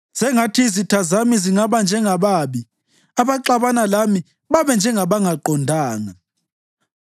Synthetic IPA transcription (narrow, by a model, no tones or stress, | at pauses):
z̥ɛŋatʰizitʰazamiziŋaβand͡ʒʱɛŋaβaːβi | aβaǃaβanalami | βaβɛnd͡ʒʱɛŋaβaŋaǃɔndʱaːŋa